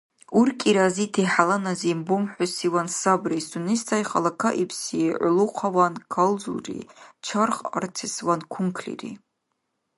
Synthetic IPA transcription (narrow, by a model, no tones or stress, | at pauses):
urkʼiɾazitʰiħalanazimbumħʷʊsiwansabrist̪ʰʼunistʰajχalakʰaʔipʰsiʕʊluqʰawankʰalzṵrḭt͡ʃʰarχa̰rtʰiswankʷʰuŋkʰlḭrḭ